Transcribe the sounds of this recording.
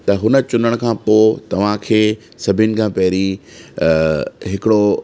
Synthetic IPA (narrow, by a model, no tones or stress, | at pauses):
t̪ɐɦʊnə̆t͡ɕʊnəɽ̃kʰãːpoːt̪ɐʋ̤ãkʰeː | sɐbʱɪnɪ̆kʰãːpɐɦɪɾi | ɦɪkɪɽo